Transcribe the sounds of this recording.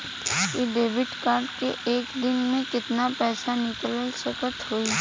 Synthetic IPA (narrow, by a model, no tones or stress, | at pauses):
kiɖeːʋɪɖkaːɾɖkeʔeːkd̪ɪnmẽkɪt̪napɛːsanɪkllsɐkət̪ɦoːi